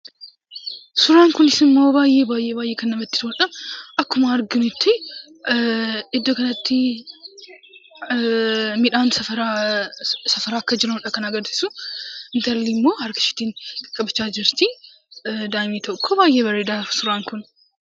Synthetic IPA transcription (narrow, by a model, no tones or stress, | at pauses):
sʊɾaːŋkʊnɪsɪmːo̞ːbaːjːe̞ːbaːjʔeːbaːjːeːkɐnːɐmɐt̪ːɪ̥t̪ːnᶑɐɐkːʊmɐːɾɡɪnʊɪt̪ʰːɪ | ɪd̪ːokɐnɐt̪ːɪ | mɪᶑaːnsɐɐɾa | sɐfɐɾaːɐkːɐd͡ʒɪɾɐʊnᶑɐkɐnɐɡɐɾsɪ̥sʊɪnt̪ɐlːimːo̞ːhɐɾkɐ̥ʃɪ̥t̪iːnkʼːɐbɪt͡ʃːaːd͡ʒɪɾt̪ɪ | d̪aːmiːt̪ʰɔkʰːɔbaːjːʔeːbɐɾeːd̪aːɾʊsʊɾaːŋkʊn